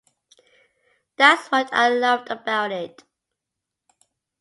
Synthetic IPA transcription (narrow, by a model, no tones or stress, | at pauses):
ðætswʌtʰa̰ɪlʌvdəbaʊɾɪt